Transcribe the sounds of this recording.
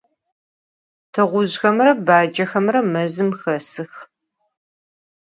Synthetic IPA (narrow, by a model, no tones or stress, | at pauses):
tʰɨʁʷʊʑxɐmrɐbaːd͡ʒɐxɐmrɐmɐzɨmxɐsɨx